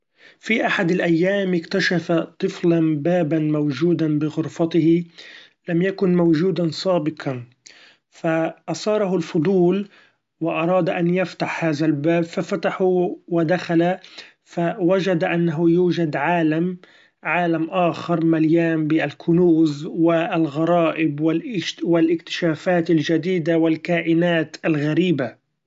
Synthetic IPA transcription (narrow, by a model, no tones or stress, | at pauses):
fiʔaħad̪alʔajːaːmʔɪkt̪aʃafat̪ˤɨflanbaːbanmawʒuːd̪anbɪɣʊɾfɑt̪ɪhɪ | lamjakʊnmawʒuːd̪ansˤɑːbɪqʰɑn | faʔɑsˤɑːɾˤɑɦʊlfʊd̪ˤuːl | wɪʔɑɾˤɑːd̪ʔanjaft̪aħhaːðalbaːbfafat̪aħuwɪd̪axala | fawad͡ʒad̪ʔanːaɦʊjuːd͡ʒad̪ʕaːlam | ʕaːlamʔaːxɑɾˤmaljaːmbɪalkʰʊnuːzwɪalɣɑɾˤɑːʔɪbwɪlwɪlʔɪkt̪ɪ̥ʃaːfaːt̪alʒad̪iːd̪awɪlkaːʔɪnaːt̪alɣaɾiːba